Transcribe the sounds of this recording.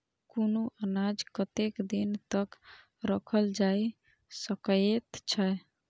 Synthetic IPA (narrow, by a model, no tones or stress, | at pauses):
konoʔənad͡ʒkət̪ekd̪int̪ək | ɾəkʰəld͡ʒai | səket̪t͡ʃʰə